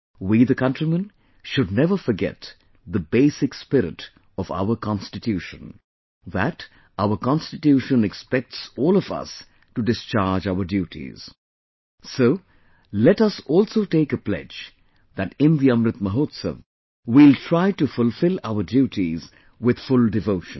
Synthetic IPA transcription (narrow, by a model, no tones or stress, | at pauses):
wiðəkʌ̃ntɹimə̃n | ʃʊd̚ⁿnɛvəfəɾɡɛ̰t̪ | ðəbeɪsɪkspɪɾɪ̰ʈ | ɔva̰ʊəkɑ̃nstɨtʰjuʃə̰̃n | ðæ̰t | ʔaʊəkɑ̃nstɪtjuːʃə̃nɛkspɛk̚ʈsɔːlɔvʌ̰s | tuɖɪst͡ʃaɹd͡ʒaʊədjuːtʰḭz̥ | soʊ | lɛʈʌsɔːlˠsoʊʈeɪkəplɛ̰d͡ʒ | ðætɪ̃nd̪iʌ̃mɾɨt̪̚məɦoːt̪sə̰v | wiltʰɹaɪʈufʊlfɪlaʊədjuʈʰiz | wɪð̥fʊldɪvoʊʃə̰̃n